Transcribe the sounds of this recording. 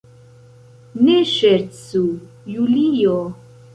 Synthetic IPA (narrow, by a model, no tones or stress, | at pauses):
neʃeɾsu | julijo